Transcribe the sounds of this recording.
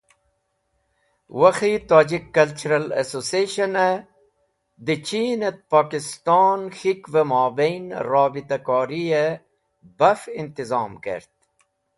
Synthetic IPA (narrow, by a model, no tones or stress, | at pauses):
wɐxit̪aːd͡ʑikːɐlt͡ʃuɾɐlɐ̰sosieʃɐne | d̪it͡ɕiːnet̪̚paːkist̪ɑːnxikvemaːbejnɾɑːbit̪akaːɾie | bɐfint̪izɑːmkḛɾt̪̚